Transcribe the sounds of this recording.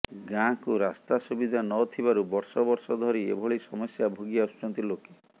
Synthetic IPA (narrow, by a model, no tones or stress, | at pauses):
ɡãkuɾast̪asubid̪ʱanɔt̪ʰibaɾubɔɾsɔbɔɾsɔd̪ʱɔɾiḛbʱɔɭisɔmɔsjabʱoɡiaust͡ʃɔnt̪iloke̥